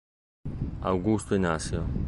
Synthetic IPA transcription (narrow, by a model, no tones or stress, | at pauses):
a̰wɡust̪oinasijo